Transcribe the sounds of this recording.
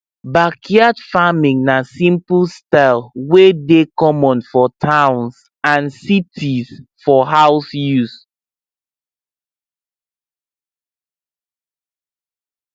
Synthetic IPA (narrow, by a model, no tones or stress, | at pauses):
bakʰiadfamĩŋnasĩmpulstalwedekɔ̃mɔ̃nfɔtʰãw̃ns | ãnsitʰisfɔɦaʊsjus